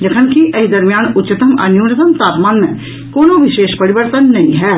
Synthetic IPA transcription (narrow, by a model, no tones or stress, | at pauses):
d͡ʒɐkʰənkiʔɐɦid̪ɐɾmijaːnʊtːt͡ʃːɪt̪əmɐ̰njuːnət̪əmt̪aːpmaːnmḛ̃ | koːnoʋɪʃeːʃpɐɾɪʋəɾt̪ənːɐɦĩɦɛː